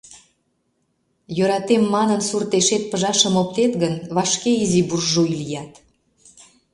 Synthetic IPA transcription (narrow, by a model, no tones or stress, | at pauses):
jøɾɑt̪emːɑnənsurt̪eʃet̪̚pəʒɑʃəmop̚t̪et̪ɣənβɑʃkeiziburʒujlijɑt̪